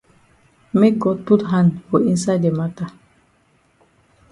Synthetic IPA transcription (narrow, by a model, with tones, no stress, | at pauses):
me˦k̚ɡɔd̚pu˦tɦãndfɔ˨ĩ˦nsajde˨mata˨